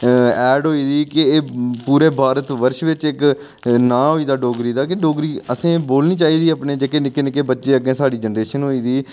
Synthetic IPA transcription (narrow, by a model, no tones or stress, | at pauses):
ɛːɖɦoːiːd̪iːkɪeːpuːɾeːbʱaːɾət̪ʋəɾʃʋɪt͡ʃɪk | nãːɦoːiːd̪aːɖoːɡɾiːd̪aːkɪɖoːɡɾiːəsẽːboːlniːt͡ʃaːiːd̪iːapneːd͡ʒeːkeːnɪkeːnɪkeːbətːʃeːəɡẽːsaːɖiːd͡ʒənɾeːʃənɦoːiːd̪iː